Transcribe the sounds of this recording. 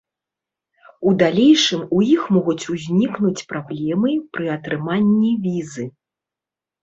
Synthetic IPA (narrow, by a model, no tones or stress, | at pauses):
ud̪alʲejʂɨmujixmɔɣut͡sʲuzʲnʲiknut͡sʲpɾablʲɛmɨpɾɨɐt̪ɾɨmanʲːivʲizɨ